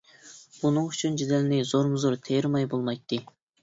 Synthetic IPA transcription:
bunɨŋyt͡ʃʰynd͡ʒid̪ɛlnɪzoɾmɨzoɾt̪ʰejɾmɑjbolˠmɑjt̪ʰːɨ

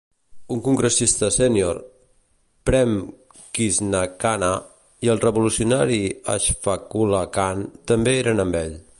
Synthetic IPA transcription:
uŋkuŋɡɾəsist̪əsenjo̰ɾ | pɾɛm | kiznakana | iəlˠrəβulusiunaɾia̰ʃfakulakant̪əmbeeɾənəmbɛʎ

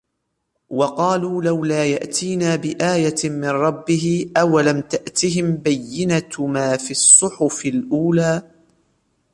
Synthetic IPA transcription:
wɑqɑːluːlawlaːjaʔt̪ʰiːnaːbɪʔaːjamɪnɾˤɑbːɪɦɪʔawalamt̪aʔt̪ɪɦɪmbajːɪnat̪maːfisˤːʊħʊfɪlʔuːlaː

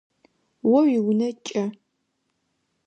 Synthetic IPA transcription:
wɔwiwnɐt͡ʃʼɐ

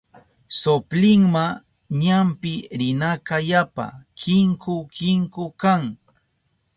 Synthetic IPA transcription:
soplɪŋma | ɲampɪɾɪnakajapa̰kʰɪŋkʊkɪŋkʊkaŋ

